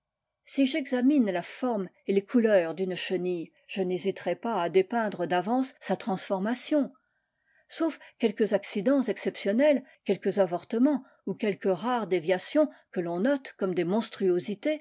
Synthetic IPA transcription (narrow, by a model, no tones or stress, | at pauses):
siʒɛɡzaminlafɔʁm | elekʰulœːʁd̪ynʃənij | ʒ̥ənezit̪ʁɛpaad̪epɛ̃d̪ʁəd̪avɑ̃sːat̪χɑ̃sfɔʁmasjɔ̃ | sofkʲɛlkəzaksid̪ɑ̃zɛksɛpsjɔnɛlkʲɛlkəzavɔʁt̪əmɑ̃ | ukʲɛlkəʁaʁd̪evjasjɔ̃kəlɔ̃nɔt̪kɔmd̪emɔ̃st̪χyozit̪e